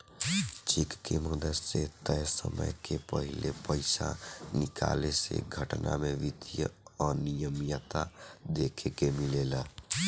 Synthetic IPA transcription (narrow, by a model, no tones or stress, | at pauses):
t͡ʃikkeməd̪əɾset̪əjsə̰mə̰jkepəɦɪlepəɪsa̰nɪkʰa̰ːlesḛɡʱəʈnʔa̰meʋid̪jə̰ɔːɾnijəmjət̪ad̪ekʰekemileːla